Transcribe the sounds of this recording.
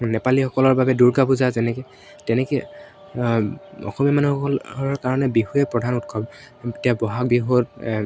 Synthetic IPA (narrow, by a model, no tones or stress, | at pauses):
nɛpalixɔkɔlɔɹbabɛduɹkabuzazɛnɛkɔ | tɛnɛk | ɔ̰xɔmiamanuxɔɔɹkaɹɔnɛbiɦuɛpɹɔdʱanutkʰɔb | tiabɔɦak̚biɦot